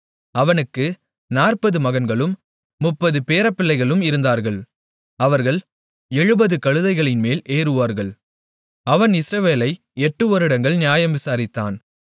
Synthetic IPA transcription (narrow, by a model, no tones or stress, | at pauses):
ɐʋɐnɯkːɯ | naːrpɐðɯmɐɣɐnɡɐɭɯmː | ʊpːɐðɯpeːɾɐpːɪɭːɐɪɣɐɭɯmɪɾɯnd̪aːɾɣɐɭ | ɐʋɐɾɣɐɭ | ɛɻɯbɐðɯkɐɻɯðɐɪɣɐɭɪnmeːlʔeːɾɯʋaːɾɣɐɭ | ɐʋɐnɪsɾɐʋeːlɐɪ | ɛʈːɯɔɾɪɽɐŋɡɐɭnɪjaːjɐmʋɪsaːɾɪt̪ːa̰ːn